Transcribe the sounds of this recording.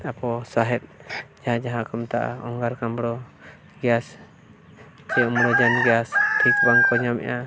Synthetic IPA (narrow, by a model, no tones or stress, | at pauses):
apɔsaɦɛt̪̚d͡ʒaɦãd͡ʒaɦãkɔmt̪aʔa̰ɔŋɡaɾkambɽɔ | ɡɛjas | t͡ʃɛɔmɽɔd͡ʒanɡɛjast̪ʰɾikbaŋkɔɲamɛ̰ʔa